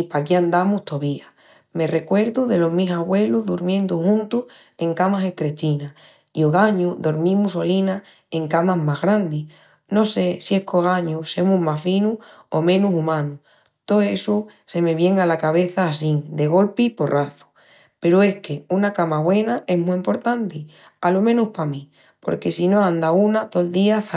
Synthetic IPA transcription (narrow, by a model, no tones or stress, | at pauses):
ipakiand̪amuht̪o̞βia | me̞re̞kwe̞ɾðuðe̞lo̞ɦmisaɣwe̞luɦðuɾmjẽ̞nd̪uhũnt̪uh | e̞ŋkamase̞ht̪ɾe̞t͡ʃina | ioɣaɲuðo̞ɾmĩmuso̞lina | e̞ŋkamaɦmaɦɣɾand̪i | no̞se̞sie̞hkoɣ̞aɲuse̞muɦmasfinu | o̰mẽ̞nusumãnu | t̪oesuse̞me̞βje̞ŋalakaβ̞e̞θaːsiŋd̪e̞ɣ̞o̞lpipo̞rʔaθu̥ | pe̞ɾoe̞hke̞unakamaβwe̞nae̞ɦmuimpo̞ɾt̪ãnt̪i | alomẽnuhpamĩ | po̞̰ɾke̞sinoãnd̪aunat̪o̞ld̪iaθa